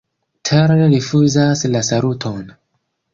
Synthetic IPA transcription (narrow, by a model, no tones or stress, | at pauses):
tʰeɾɾifuzaslasaɾutʰon